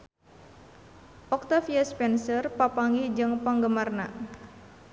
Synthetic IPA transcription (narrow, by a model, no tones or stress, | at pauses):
ʔɔk̚t̪afjaspɛnsərpapaŋid͡ʒɨŋpaŋɡəmarna̰